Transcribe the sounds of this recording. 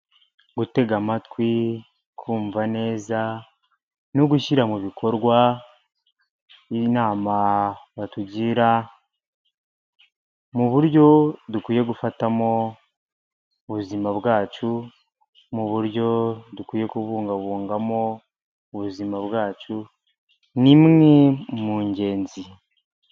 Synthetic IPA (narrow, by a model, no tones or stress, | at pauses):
ɡute̞ɡamatwi | kʰuːɱvane̞ːza | noɡuʃiɾamuβikʰo̞ɾɡwa | inaːmaβatuɟiɾa | muβuɾɟo̞dukwiːje̞ɡufatamo̞ | βuzimaβwaːt͡ʃu | muβuɾɟo̞dukwiːje̞kuβuːŋɡaβuːŋɡamo̞ː | βuzimaβɣaːt͡ʃu | nimŋemuːɲɟe̞ːnzi